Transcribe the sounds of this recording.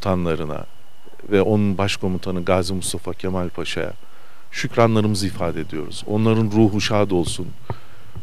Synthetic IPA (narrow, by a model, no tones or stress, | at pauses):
t̪ʰanlˠaɾɯna̰ | vɛʔo̞nunbaʃkʰo̞mut̪ʰanɯɡaːzimust̪ʰafacʰemælʲpʰaʃa̰ja̰ | ʃycɾanlˠaɾɯmɯzɯifaːd̪ed̪ijo̞̰ɾṵz̥o̞̰nlˠaɾɯnɾuːɦuʃaːd̪o̞lˠsun